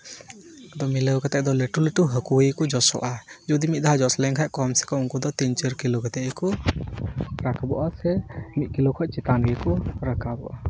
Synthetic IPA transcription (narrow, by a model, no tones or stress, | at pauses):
d̪ɔmiləwkat̪ɛʔd̪ɔleʈuleʈuɦəkuəjkɔd͡ʒɔsɔ̰ʔad͡ʒud̪imit̪̚ˀd̪aɦad͡ʒɔslɛŋkʰaʔkɔmsɛ̥kɔuŋkɔd̪ɔt̪iɲt͡ʃəɾkiloɡɛt̪ɛʔkɔ | ɾakʰabɔʔasɛmit̪̚ˀkilokʰɔʔ̚t͡ʃit̪anɡikɔɾakabɔ̰ʔa